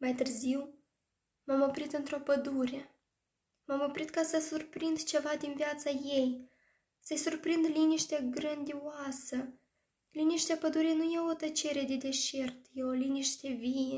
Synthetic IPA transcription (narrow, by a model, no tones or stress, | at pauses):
majt̪ɨrziw | mamo̞pɾit̪ɨnt̪ɾo̞pəd̪uɾe̞ | mamo̞pɾit̪kasəsurpɾind̪t͡ʃe̞vad̪inviat̪saje̞j | səjsurpɾind̪liniʃt̪eɡɾɨnd̪iasə | liniʃt̪eapəd̪uɾenujeot̪ət͡ʃe̞ɾe̞d̪e̞d̪e̞ʃe̞rt̪jeo̞liniʃt̪e̞vije